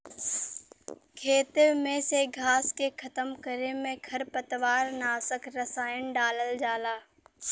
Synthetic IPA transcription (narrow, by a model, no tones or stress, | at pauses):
kʰeːt̪emẽseɡʱaːskekʰɐt̪əmkəɾemẽkʰɐɾpət̪ʋaːɾnaːsəkɾəsaːɪənɖaːləld͡ʒaːlaː